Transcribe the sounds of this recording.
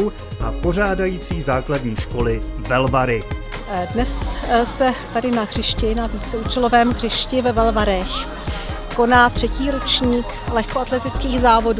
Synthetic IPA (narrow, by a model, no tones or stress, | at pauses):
w | ʔapo̞r̝aːdajiːt͡siːzaːkladɲiːʃko̞lɪvɛlvaɾɪdnɛssɛt̪adɪnaɣr̝̥ɪʃcɪnaviːt͡sɛuːt͡ʃɛlovɛːmɣr̝̥ɪʃcɪvɛvɛlvaɾɛx | ko̞naːt̪r̝̥ɛciːɾot͡ʃɲiːk | lɛxkoat̪lɛt̪ɪt͡skiːɣzaːvo̞duː